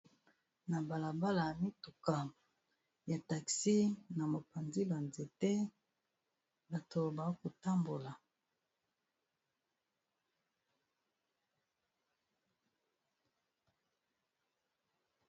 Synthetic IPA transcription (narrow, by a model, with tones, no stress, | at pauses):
na˨ba˨la˨ba˦la˨mi˦tu˨ka˨ | ja˨ta˨ksi˦na˨mo˨pa˨nzi˦ba˨nze˨te˦ | ba˨tʰo˨ba˨˦ko˨ta˦mbo˨la˨